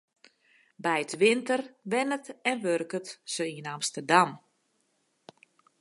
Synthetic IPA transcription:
bɛjətʋɪntərʋɪnətɛnʋørkətsəiənamstərdam

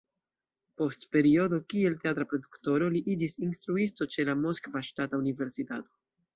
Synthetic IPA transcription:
po̞stpe̞ɾio̞do̞kie̞lte̞atɾapɾo̞dukto̞ɾo̞liʔid͡ʒisinst̪ɾuisto̞t͡ʃe̞lamo̞skvaʃtataunive̞ɾsitato̞

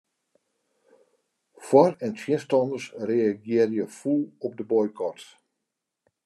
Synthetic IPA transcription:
fwɔrɛntʰjɪənstɔndərsreaɡjɪərjəfulˠɔp̚dəbɔjkʰɔt

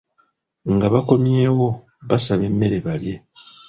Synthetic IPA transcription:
ŋɡaβako̞mjeːwo̞ | βasaβe̞mːe̞ɾe̞βalje̞

